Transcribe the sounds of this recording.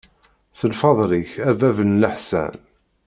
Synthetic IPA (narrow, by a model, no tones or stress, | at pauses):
səlfɑðˤɾiçævævənləħsæ̰n